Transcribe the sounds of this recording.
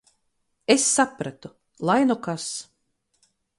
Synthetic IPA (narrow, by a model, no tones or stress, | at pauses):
esːapɾat̪u | lˠajnɔkas